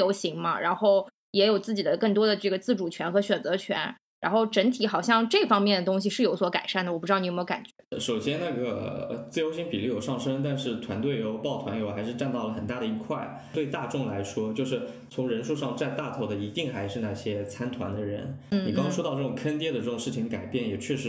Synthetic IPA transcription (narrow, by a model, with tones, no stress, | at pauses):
jo˧˥ʊɕi˧˥ŋmɐ̰˧ɻa̰˧˥nxo˥˩ʊ | jɛ˧˥jo˨˩ʊt͡sɹ̩˥˩t͡ɕi˨˩d̪ə˦kɤ˥˩ŋt̪wɔ˥d̪ə˨ʈ͡ʂɤ˥˩ɡə˩t͡sɹ̩˥˩ʈ͡ʂu˨˩t͡ɕʰɥɛ˧˥nxɤ˧˥ɕɥɛ˨˩nt͡sɤ˧˥t͡ɕʰɥɛ̰˧˥n | ɻa˧˥nxo˥˩ʊʈ͡ʂə˧˥nt̪ʰi˧˥xɑ˨˩ʊɕjɑ˥˧ŋʈ͡ʂɤ˥˩fɑ˥ŋmjɛ˥˩nd̪ə˩t̪ʊ˥ŋɕ̬i˨˧ʂɻ̩˥˩jo˧˥ʊswɔ˧˥ka̰˨˩ɪʂa˥˩nd̪ə˩wɔ˩pu˥˧ɻ̩˥˩˧ni˧˥˧ka̰˨˩nt͡ɕɥɛ̰˧˥ʂo˨˩ʊɕjɛ˥nna˥˩ɡə̰˩˧t͡sɹ̩˥˩jo˥ʊɕi˥ŋpi˨˩li˥˩jo˨˩ʊʂɑ˥˩ŋʂə˥ŋt̪̬a˥˧nʂɻ̩˥˩t̪ʰwa˧˥nt̪we˥˩ɪjo˧˥ʊpɑ˥˩ʊt̪ʰwa˧˥njxa˧˥ɪʂɻ̩˥˧ʈ͡ʂa˥˧nt̪ɑ˥˩lə˩xə˨˩nt̪a˥˩ɾə˩i˧˥kʰwa˥˩ɪ | t̪we˥˧ɪt̪a˥˧ʈ͡ʂʊ˥˩ŋla˧˥ɪʂwɔ˥t͡ɕjo˥˧ʊʂ̬ɻ̩˥˩ | t͡sʰʊ˧˥ŋɻə˧˥nʂu˥˧ʂɑ˥˧ŋʈ͡ʂa˥˧nt̪a˥˩t̪ʰo˧˩ʊd̪ə˩i˧˥t̪i˥˧ŋxa˧˥ɪʂɻ̩˥˧na˥˩ɕjɛ˥t͡sʰa˥nt̪ʰwa̰˧˥nd̪ə˧ɻə̰˧˥nn̩˥˩ni˨˩kɑ˥ŋkɑ˥ŋʂwɔ˥ɑ˥˧ʊʈ͡ʂɤ˥˩ʈ͡ʂʊ˨˩ŋkʰə˥nt̪jɛ˥˩d̪ə˨ʈ͡ʂɤ˥˩ʈ͡ʂʊ˨˩ŋʂɻ̩˥˩t͡ɕʰi˧˥ŋka˨˩ɪpjɛ˥˩njɛ˨˩t͡ɕʰɥɛ˥˩ʂɻ̩˧˥